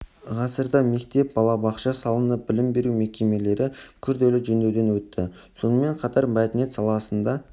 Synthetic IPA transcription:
ʁɑsəɾd̪ɑme̞kt̪e̞p̚bɑlˠɑbɑqʃɑsɑlˠənəp̚bɪlɪmbe̞ɾume̞kʲe̞me̞le̞ɾɪkʲʰʏɾd̪e̞lɪʒɵnd̪e̞wd̪e̞nwɵt̪ːɪ | so̞nəme̞ɴqʰɑt̪ɑɾmɑt̪ne̞t̪sɑlˠɑsənd̪ɑ

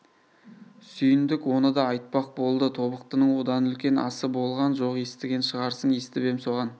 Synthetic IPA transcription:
sʏjɪnd̪ɪkwo̞nəd̪ɑːjt̪̚pɑq̚bo̞lˠd̪ət̪ʰo̞bəq̚t̪ənəɴwo̞d̪ɑnʏlkʲe̞nɑ̰səbo̞lˠʁɑnʒo̞qje̞st̪ɪɡʲenʃəʁɑɾsəɴje̞st̪ɪbe̞mso̞ʁɑn

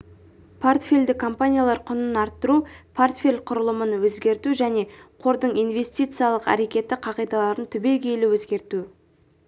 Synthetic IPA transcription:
pʰo̞rt̪fʲe̞lʲd̪ɪkʰːo̞mpanʲijalˠɑɾqʰʊnənɑɾt̪ːəɾupʰort̪fʲelʲqʰʊɾəlˠəmənwɵzɡʲe̞ɾt̪uʒæne̞qʰo̞ɾd̪əɴijnve̞sʲt̪ʲijt̪sɨjalˠəqæ̰ɾe̞kʲe̞t̪ːɪqʰɑʁijd̪ɑlˠɑɾənt̪ʰʏbe̞kʲʰe̞jlɪwɵzɡʲe̞ɾt̪u

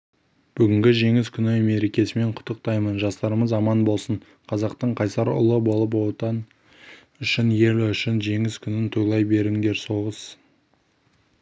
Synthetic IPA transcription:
b̥ʏɡʲɪŋɡʲɪʒe̞ŋɪskʲʰʏneme̞ɾe̞kʲe̞sɪme̞ɴqʰʊ̥t̪ːəq̚t̪ɑjmənʒɑst̪ɑɾəməzɑmɑnbo̞lˠsəɴ | qʰɑzɑqt̪əɴqʰɑjsɑɾʊ̰lˠəbo̞lˠəp̬ot̪ɑn | ʏʃɪnje̞lʏʃɪnʒe̞ŋɪskʲʰʏnɪnt̪ʰojlˠɑjbe̞ɾɪŋd̪e̞ɾso̞ʁəz̥

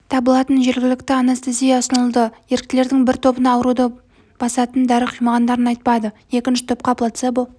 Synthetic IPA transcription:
t̪ʰɑbəlˠɑt̪ənʒe̞ɾɡʲɪlɪk̚t̪ɪɑnost̪ezijasənəlˠd̪əje̞ɾɪk̚t̪ɪle̞ɾd̪ɪŋbɪɾt̪ʰo̞bənɑːwəɾud̪ɑ | b̥ɑsɑt̪ənd̪æɾəqʰijmɑʁɑnd̪ɑɾənɑjt̪̚pɑd̪ə | e̞kʲɪnʃɪt̪ʰʊp̚qɑpʰlˠɑt̪seb

